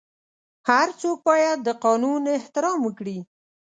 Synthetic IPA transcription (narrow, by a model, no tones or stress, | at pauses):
haɾt͡sok̚bɑjad̪əqɑnunɪht̪ɪɾɑmwəkɽi